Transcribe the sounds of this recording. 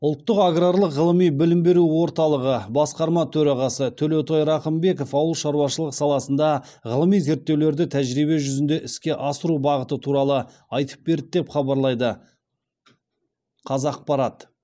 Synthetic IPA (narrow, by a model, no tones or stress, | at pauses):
ʊlˠt̪ːəqaɡraɾlˠəqʁəlˠəmijbɪlɪmbe̞ɾuwo̞ɾt̪ɑlˠəʁəbɑsqɑɾmɑt̪ʰɵɾɑʁɑsət̪ʰɵlet̪ʰojɾɑχəmbe̞ko̞fɑwəlˠʃɑɾuwɑʃəlˠəqsɑlˠɑsənd̪ɑ | ʁəlˠəmijze̞ɾt̪ːe̞wle̞ɾd̪ɪt̪ʰæʒɾijbe̞ʒʏzɪnd̪e̞ʔɪskʲe̞ʔɑsəɾubɑʁət̪ət̪ʰuɾɑlˠə | ɑjt̪ə̥p̚be̞ɾd̪e̞pχɑbɑɾlˠɑjd̪ə | qʰɑzɑq̚pɑɾɑt̪